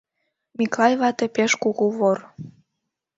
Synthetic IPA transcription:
mʲiklɑjβɑt̪ĕpeʃkuɣuβor

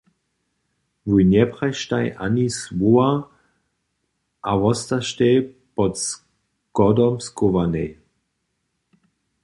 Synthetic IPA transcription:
vujnjɛpʁajʃtajʔa̰nisvua | ʔavɔst̪aʃtɛ | pɔts | kɔdɔmskovanej

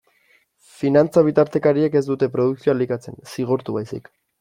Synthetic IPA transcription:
finant͡saβ̞it̪aɾt̪e̞kaɾie̞ke̞z̬d̪ut̪e̞pɾo̞ð̞uksioalikat͡se̞̰nsiɣ̞oɾt̪uβajsḭk

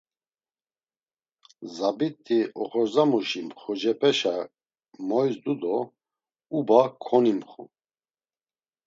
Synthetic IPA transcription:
zabit̪ʰʼːiʔɔχɔɾzamuʃimχɔd͡ʒɛpʰɛʃa | mɔjsd̪ud̪ɔ | ubakʰɔnimχṵ

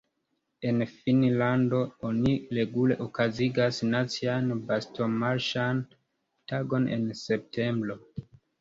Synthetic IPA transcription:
e̞nfinlando̞oniɾe̞ɡule̞̰ʔokaziɡasnat͡sianbasto̞maɾʃan | taɡo̞ne̞̰nse̞p̚tʰe̞mbɾo̞

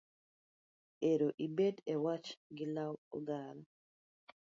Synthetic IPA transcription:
ɛɾɔʔibɛdɛwat͡ʃɡilawɔ̰ɡaːla

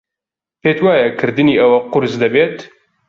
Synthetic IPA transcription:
peːt̪waːjɛkʰɨɾd̪ɨniːʔɐwɐqʊɾzd̪ɐbeːt̪

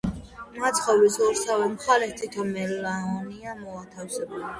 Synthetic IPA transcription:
mat̪sʰχɔvisɔɾsavɛmχalɛt̪ʰit̪ʰɔmɛllaɔniamɔat̪ʰafsɛb

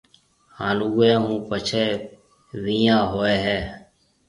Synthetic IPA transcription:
hãːluːẽːɦũːpət͡ʃʰeː | ʋiːjãːɦoːeːɦɛː

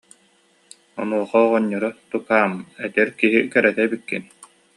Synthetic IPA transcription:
ɔnuɔχɔːʁɔɲːɔɾɔt̪ukaːmɛt̪ɛɾkiɦikɛɾɛt̪ɛbikːḭn

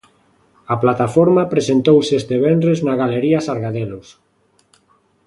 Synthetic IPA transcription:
aplat̪afoɾmapɾesent̪owsest̪eβɛnɾeznaɣaleɾiasaɾɣaðelos

